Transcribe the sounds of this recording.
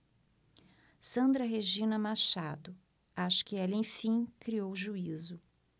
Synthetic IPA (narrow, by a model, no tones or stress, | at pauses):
sɐ̃nd̪ɾɐɦeʒĩnɐmaʃad̪ʊ | aʃɐ̥kɪɛlẽj̃fĩkɾiowʒuizʊ